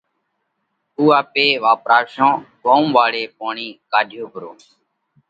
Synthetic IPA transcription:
uːaːpeːʋaːpɾaːʃõːɓoːmʋaːɽeːpoːɳiːkaːɗʱjoːbʱəɾoː

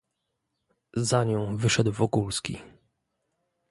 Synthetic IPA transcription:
zaɲɔ̃w̃vɘʂɛd̪wvɔkulskʲḭ

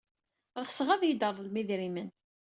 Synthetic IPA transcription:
ʁsʁæðjəd̪əɾˤðˤlmiðɾimən

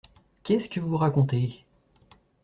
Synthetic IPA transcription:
kʲɛskəvuvuʁakɔ̃t̪e

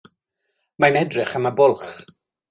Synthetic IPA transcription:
manɛdrɪχamabʊlˠχ

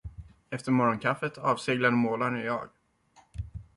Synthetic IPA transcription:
ɛft̪əɾmɔɾɔnkʰafːət̪ʰɑːvseːɡlad̪əmoːlaɳæɾjɑ̰ːɡ

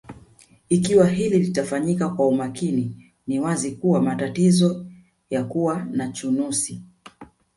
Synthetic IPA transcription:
ikiwaɦililitafaɲikakwaumakini | niwazikuwamatatizɔ | jakuwanat͡ʃunusi

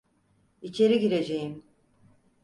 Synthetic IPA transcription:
it͡ʃʰe̞ɾiɟiɾe̞d͡ʒe̞jim

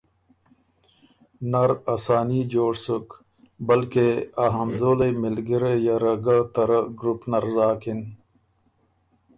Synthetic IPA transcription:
nɐɾasaːniːd͡ʑoːɽsuk | bɐlkeaɦɐmzoːlɐjmilɡiɾejaɾɐɡat̪ɐɾɐɡɾupnɐɾzaːkin

